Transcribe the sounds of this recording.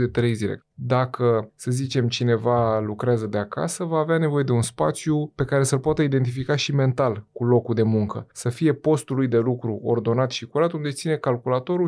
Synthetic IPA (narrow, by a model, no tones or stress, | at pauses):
d̪e̞t̪ɾe̞jzile̞̰ | d̪akʰəsəzit͡ʃe̞mt͡ʃine̞valukɾeazəd̪eaka̰səvaːveane̞vo̞je̞d̪e̞unspa̰t̪sjupe̞kaɾe̞səlpoat̪əid̪e̞nt̪ifikaʃime̞nt̪alkulo̞kud̪e̞muŋkəsəfije̞po̞st̪ulujd̪e̞lukɾuo̞̰rd̪o̞nat̪ʃikuɾat̪und̪e̞t̪sine̞kalkulat̪o̞ɾu